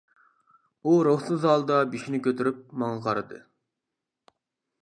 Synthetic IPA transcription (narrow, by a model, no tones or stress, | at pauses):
uɾoχsɨzɑlˠd̪ɑbiʃinɪkʲøt̪ʰyɾyp̚mɑŋɑqʰɑɾɨd̪ɨ̰